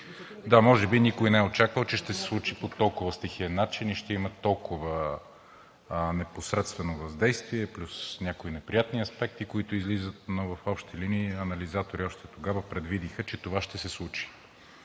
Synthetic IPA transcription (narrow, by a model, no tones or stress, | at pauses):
d̪amɔʒɛbinikoinɛot͡ʃakvəlˠt͡ʃɛʃt̪ɛsɛ̥slˠut͡ʃipot̪ɔlˠkʊvəst̪ɛxiənːat͡ʃiniʃt̪ɛimət̪ɔlˠkʰʊvə | nɛposɾɛt̪st̪vɛnovɐzd̪ɛjst̪viɛplʲusnʲakoinɛpɾijat̪niɐspɛk̚t̪ikoit̪ʊizlizət̪̚novɐfɔpʃt̪ɛliniːɐnɐlizat̪oɾiɔʃt̪ɛt̪oɡavəpɾɛd̪vid̪ixət͡ʃɛt̪ovaʃt̪ɛsɛslˠut͡ʃi̥